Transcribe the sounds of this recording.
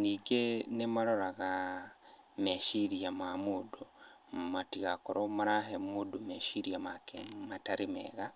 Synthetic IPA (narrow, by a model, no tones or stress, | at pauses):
niːɡenemaɾoɾaɣa | meʃiɾiamamudu | matiɣakoɾʔomaɾaɦemudumeʃiɾiamakemataɾimḛːɣa